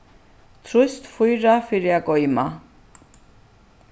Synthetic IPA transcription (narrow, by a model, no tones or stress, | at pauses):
t̪ʰɾust̪fujɾafiɾjakʼɔjma